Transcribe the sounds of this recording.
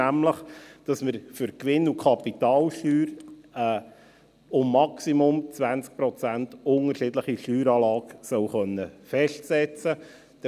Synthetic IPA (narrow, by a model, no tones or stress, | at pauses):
æmləχd̥ɑsməɾfʏɾkʋɪnːukʰχɑpitɑːlʃtyːɾɛː | ʊmːɑksimʊmt͡svænt͡sk̚pɾɔt͡sæntʊŋəɾʃɪdləχiʃtyːɾɑːlɑːksœwχœnːəfɛʃtsɛt͡sə | d̥